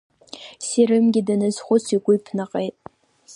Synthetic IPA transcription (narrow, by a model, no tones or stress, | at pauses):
siɾɨmɡʲɪdanɨzχʷʊt͡sʰiɡʷʊipʰnɨqʼejtʼ